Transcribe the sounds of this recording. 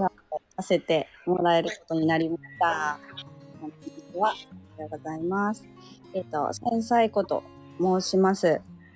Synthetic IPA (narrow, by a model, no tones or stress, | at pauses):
ɡa | o | ase̞t̪e̞mo̞ɾae̞ɾɯ̟ko̞t̪o̞ɲ̟inaɾʲimaaɕi̥t̪a | õit͡siβaiaɡozaimasɨ̥ | et̪o̞̰ẽɰ̃saiko̞t̪o̞̰ | mo̞ːɕimasɨ